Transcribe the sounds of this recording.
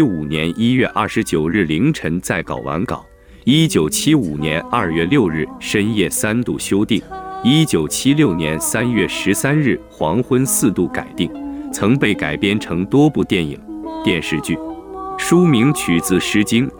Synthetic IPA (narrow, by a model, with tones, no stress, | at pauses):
u˨˩njɛ˧˥nʔi˥ɥɛ˥˧ʔɐ̰˥˩ʂɻ̩˧˥t͡ɕjo˨˩ʊɻɻ̩˥˩li˧˥ŋʈ͡ʂʰə˧˥nt͡sa˥˩ɪkɑ̰˨˩ʊwa̰˧˥nkɑ̰˨˩˦ʊ | i˥t͡ɕjo˨˩ʊt͡ɕʰi˥u˨˩njɛ˧˥nɐ˞˥˧ɥɛ˥˧ljo˥˧ʊɻɻ̩˥˩ʂə˥njɛ˥˩sa˥nt̪u˥˩ɕjo˥ʊt̪i˥˩ŋi˥t͡ɕjo˨˩ʊt͡ɕʰi˥ljo˥˩ʊnjɛ˧˥nsa˥njɥɛ˥˩ʂɻ̩˧˥sa˥nɻɻ̩˥˩xwɑ˧˥ŋxwə˥nsɹ̩˥˧t̪u˥˩ka̰˨˩ɪt̪i˥˩ŋt͡sʰɤ˧˥ŋpe˥˩ɪka̰˨˩ɪpjɛ˥nʈ͡ʂʰɤ˧˥ŋt̪wɔ˥pu˥˧t̪jɛ˥˩nḭ˨˩ŋt̪jɛ˥˧nʂɻ̩˥˧t͡ɕy̰˥˩ʂu˥mi˧˥ŋt͡ɕʰy˨˩t͡sɹ̩˥˩ʂɻ̩˧˥t͡ɕi˥ŋ